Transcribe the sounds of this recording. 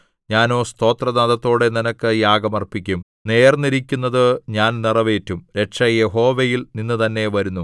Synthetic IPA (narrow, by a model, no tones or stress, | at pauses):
ɲaːno̞ːst̪o̞ːt̪rɐd̪aðɐt̪ːo̞ːɽe̞ninɐkːɨjaːɡɐmɐrpikʲːum | ne̞ːrniɾikʲːunːɐðɨɲaːnnirɐʋe̞ːtːumɾe̞ʈʂɐjeɦo̞ːʋejilninːɨt̪ɐnːe̞ʋɐɾunːu